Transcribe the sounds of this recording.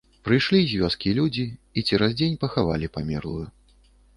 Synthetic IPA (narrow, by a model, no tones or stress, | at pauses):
pɾɨjʂlʲizʲvʲɔskʲilʲud͡zʲiːt͡sʲɛɾazd͡zʲenʲpɐxava̰lʲipamʲɛ̰rlˠuju